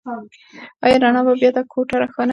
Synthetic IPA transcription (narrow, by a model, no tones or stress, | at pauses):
ajɾaɳababjad̪akʰoʈaɾaxana